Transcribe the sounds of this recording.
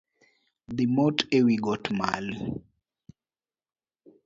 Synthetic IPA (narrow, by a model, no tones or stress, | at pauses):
ðimɔtewiɡɔtma̰lu